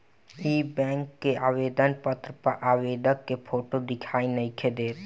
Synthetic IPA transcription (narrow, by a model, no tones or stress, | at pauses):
ibɛ̃ŋkːeabed̪ənpət̪ɾəpəɾʔabed̪əkːepʰoʈod̪ɪkʰaːinəɪkʰed̪eːt̪